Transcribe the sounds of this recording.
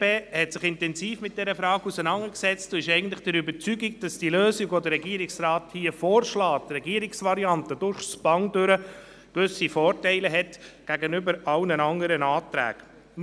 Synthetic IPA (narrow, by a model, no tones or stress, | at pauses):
peːhɛtsɪχɪntɛnziːfmɪt̚d̥ɛɾəfɾɑːɡusənɑŋəksɛt͡stʊɪʃɛɪɡən̩tlɪ̥χd̥əɾʏbəɾt͡syɡiɡd̥ɑsd̥iəløːsɪɡodəɾːɛɡiːəɾiksrɑːthiːəfɔːɾʃlɑːtrɛɡiːəɾiksʋɑɾiɑntəd̥ʊɾχsb̥ɑŋdʏɾə | kʋʏsifɔːɾtɛɪləɦɛtɡ̥æɡənʏbəɾɑwnənɑŋəɾənɑːtɾæ̰ːɡ̥